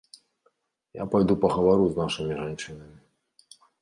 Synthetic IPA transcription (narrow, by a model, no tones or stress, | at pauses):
ja̰pajd̪upɐɣɐvaɾuznaʂɨmʲiʐant͡ʂɨnɐmʲi